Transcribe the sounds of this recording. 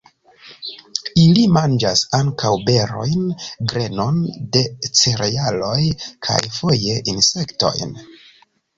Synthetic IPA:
ilimand͡ʒasaŋkawbe̞ɾo̞̰jnɡɾe̞no̞nde̞t͡se̞ɾejalo̞jkʰa̰jfo̞je̞ʔinse̞kto̞̰jn

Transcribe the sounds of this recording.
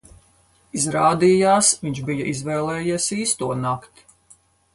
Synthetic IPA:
izɾaːd̪iːjaːsʋiɲt͡ʃbijɐʔizvɛːlˠɛːjiɛsiːst̪uɔnakt̪

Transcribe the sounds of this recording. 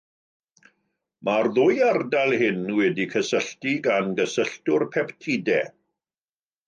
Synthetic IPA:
marðʊjardalˠhɪnwɛdikʰəsəɬtiɡanɡəsəɬtʊrpʰɛptʰidɛ

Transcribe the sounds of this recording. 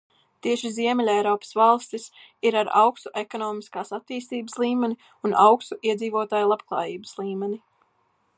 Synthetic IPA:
t̪iɛʃiziɛmɛlʲɛjɾɔːpə̥svalˠst̪is | iɾaɾa̰wkst̪uʔekɔnɔːmiskaːsat̪ːiːst̪iːbslˠiːmɛni | unʔa̰wkst̪uʔiɛd̪ziːvoɔt̪aːjlˠab̥klˠɑ̰ːjiːbəslˠiːmɛnʲi

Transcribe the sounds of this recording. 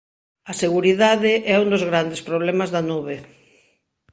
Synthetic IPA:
ɐseɣuɾiðaðɪʔɛund̪ozɣɾand̪espɾoβ̞lɛmazðɐnuβe

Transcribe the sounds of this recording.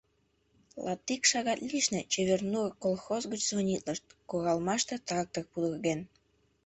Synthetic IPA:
lʔɑ̰t̪ːikʃɑɣɑt̪lʲiʃnĕt͡ɕeβernuəkolˠxozɣyt͡ɕzvonʲit̪ləʃt̪̚koɣɑlmɑʃt̪ɤt̪ɑk̚t̪ək̚pud̪əɣen

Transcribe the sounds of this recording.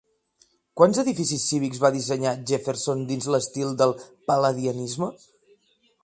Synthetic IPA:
kwanzəðifisisːiβ̞ikzβaðizəɲaʒefeɾsond̪inzləst̪ilˠd̪əlˠpələðiənizmə

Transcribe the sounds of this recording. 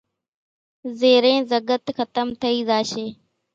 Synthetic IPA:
zeːɾẽːzəɡət̪xət̪əmt̪ʰəiːzaːʃeː

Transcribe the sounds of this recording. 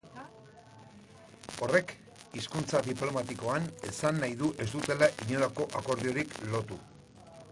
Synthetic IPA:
o̞re̞k | iskunt͡saðiplo̞mat̪iko̞ane̞sanːajðuʔe̞zd̪ut̪e̞laʔiɲo̞lako̞ʔako̞ɾðio̞ɾiklo̞t̪u

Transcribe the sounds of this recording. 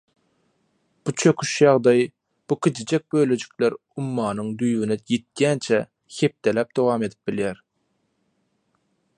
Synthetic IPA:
b̥ut͡ʃʰø̞kʲʰyʃjɑʁd̪ɑjɯ | b̥ukʰʲet͡ʃid͡ʒek̚bøjlød͡ʒy̥kleɾ | umːɑːnɯŋd̪yjwynejet̪̚jænt͡ʃʰæ | he̞p̚t̪elæp̚d̪o̞wɑːme̞d̪ip̚biljæɾ

